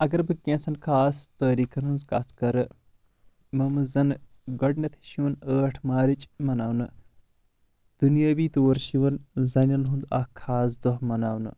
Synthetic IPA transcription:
ɐɡɐɾbɨkʲẽːnsɐnkʰaːst̪oːɾiːkʰɐnunzka̰skɐɾɨ | mɐmɨzɐn | ɡɐɖnɐt̪ʰi̥ʃiʋɐnəːʈʰmaːɾit͡ʃʼmɐnaːʋnɨ | d̪̥unjaːbiːt̪oːɾʃiʋɐnzɐnʲɐnɦũnd̪ɐkʰːaːs̬d̪ɔɦmɐnaːwnɨ̰

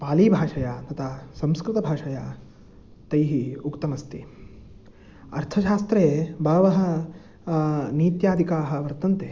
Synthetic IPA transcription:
paːliːbʱaːʂɐjaːt̪ɐt̪ʰɐsɐ̃mskɾɪt̪ɐbʱaːʂɐjaː | t̪ɐjɦiukt̪ɐmɐst̪i | ɐ̰ɾt̪ʰɐʃaːst̪ɾeːbʱɐːʋɐɦɐ̆ | niːt̪jaːd̪ʱikaːɦɐ̆ʋɐɾt̪ɐnt̪eː

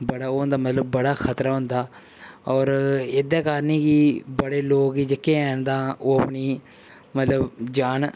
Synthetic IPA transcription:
bəɽaːoːɦnd̪aːmət̪ləbːəɽaːkʰət̪ɾaːɦʊ̃nd̪aː | ɔːɾeːd̪eːkaːɾnĩːkibəɽeːloːkiːd͡ʒɪkːẽːɛːnd̪ãːoːəpɳiː | mət̪ləbd͡ʒaːn

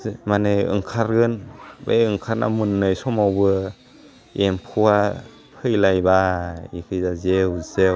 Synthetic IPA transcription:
manɯɯ̰ŋkʰaɾɡɯnbejɯŋkʰaɾna̰mɯnːɯjsɔmawbɯ | empʰuwa | pʰɯjlajbaikʰɯjzazewzew

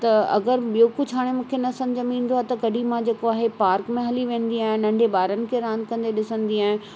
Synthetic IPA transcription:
t̪ɐɐ̰ɡəɾɓijokʊd͡ʑʱɦaːɽ̃emũːkʰenɐsɐ̃ɲd͡ʑɐmĩːnd̪oaːt̪ɐkɐɖʱimãd͡ʑeːkoaːɦepaːɾkmẽɦɐliʋẽːnd̪iaːɦɪ̃nnɐ̃ɳɖʱeɓaːɾənɪ̆kʰeɾãːnd̪kɐ̃nd̪eɗɪsə̃nd̪iaːɦɪ̃n

